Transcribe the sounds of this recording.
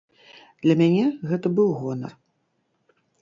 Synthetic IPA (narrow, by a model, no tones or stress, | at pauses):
d̪̥lʲɐmʲanʲɛɣɛt̪ɐbɨwɣɔnɐ̰r